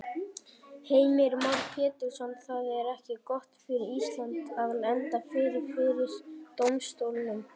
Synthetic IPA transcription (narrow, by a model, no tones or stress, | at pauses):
heːjmɪɾmaɾpʰjɛːt̪ʏ̥samt̪θaðɛɾɛhcɪkɔht̪fɪɾɪɾist̪lant̪aðlɛnt̪afɪɾɪɾ̥fɪðɾɪɾt̪owmst̪owlɪnʏm